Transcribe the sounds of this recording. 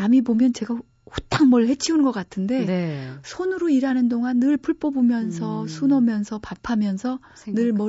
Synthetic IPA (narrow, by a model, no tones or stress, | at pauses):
amibomjʌnt͡ɕe̞ɡa | hot͈aŋmʌɭhe̞t͡ɕʰiunnɡʌk͈atʰɯnde̞nsʰonɯɾoiɾɦanɯndoŋanːɯɭpuɭp͈ʌbumjʌnsʰʌsʰunʌmjʌnsʰʌpapʰamjʌnsʰʌ | nɯɭmʌ